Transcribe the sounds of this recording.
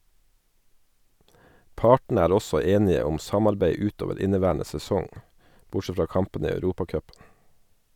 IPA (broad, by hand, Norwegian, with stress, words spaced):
ˈpɑːʈn̩ ˈæːɾ ˈɔsɔ ˈeːnɪə ˈʊm ˈsɑmɑɾbæɪ ˈʉːt ˈoːʋəɾ ˈɪnəˌʋæːɳə sɛˈsɔŋ ˈbʊˌʃɛ ˈfɾɑː ˈkɑmpən ˈiː ɑʉˈɾuːpɑˌkœpn̩